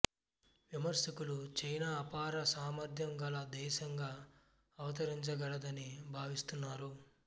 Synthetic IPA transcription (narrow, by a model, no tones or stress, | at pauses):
ʋimɐɾʃɐkulut͡ʃɐjnaːpaːɾɐsaːmɐɾd̪ʱjɐŋɡɐlɐd̪ɛːʃɐŋɡaː | ɐʋɐt̪ɐɾiɲt͡ʃɐɡɐɽɐd̪ɐnibʱaːʋist̪unːaːɾu